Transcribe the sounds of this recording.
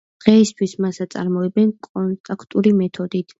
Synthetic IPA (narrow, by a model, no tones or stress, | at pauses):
d̪̥ʁɛist̪ʰwismasat̪sʼa̰ɾmɔɛbɛnkʼɔnt̪ʼakʰt̪ʼuɾimɛt̪ʰɔd̪it̪ʰ